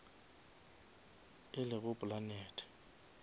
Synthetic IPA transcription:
ɪlɪɣʊpʼʊlanɛːtʰʼɛ̥

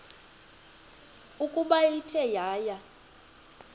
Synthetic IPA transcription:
ukʼuɓajitʰɛjaːja

